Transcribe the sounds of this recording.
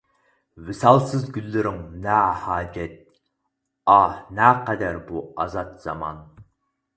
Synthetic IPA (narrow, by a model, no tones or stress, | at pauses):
wɪsɑlˠsɨzɡʲylːɪɾɪŋnɛhɑːd͡ʒɛt̪̚ | ɑnæqɛd̪æɾbuɑzɑt̪z̥ɑ̰mɑ̰n